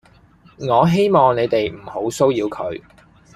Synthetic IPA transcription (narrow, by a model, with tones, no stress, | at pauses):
ŋɔː˨˧ɦe˥jmɔː˨˩ŋne˨˧jt̪e˨jm̩˨˩ho˨˥wso˥wjiː˧wkʰɵ̰˨˧ɥ